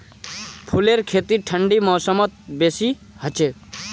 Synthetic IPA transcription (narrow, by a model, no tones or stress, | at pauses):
pʰuleɾkʰet̪iʈʰəɳɖimɔːsəmɔt̪̚besi | hət͡ʃe